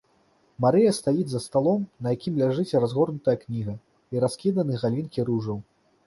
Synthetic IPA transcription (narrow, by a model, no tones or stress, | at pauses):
maɾɨjɐst̪ajid͡zʲzɐst̪alˠɔmnɐjakʲimlʲaʐɨt͡sʲɾazɣɔrnut̪ɐjɐknʲiɣɐ | iɾaskʲid̪ɐnɨɣalʲinkʲiɾuʐɐw